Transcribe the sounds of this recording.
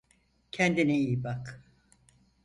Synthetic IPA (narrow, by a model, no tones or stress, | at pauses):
cʰɛnd̪iniiːbak